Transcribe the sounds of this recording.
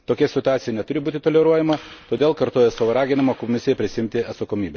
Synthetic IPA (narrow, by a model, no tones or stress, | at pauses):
t̪oːkʲɛsʲɪt̪ʊɑːt̪ʲɪjɛnʲɛt̪ʊɾʲɪbuːt̪ʲɪt̪oːlʲɛɾuɔjɛmɐt̪oːd̪ʲeːlˠkɐɾt̪oːjɛsɐʋoɾɑːɡʲɪnʲɪmɐkomʲɪsʲɪjɛpʲɾʲɪsʲɪɪmʲt̪ʲɪɐt̪sɐkoːmʲiːbʲɛ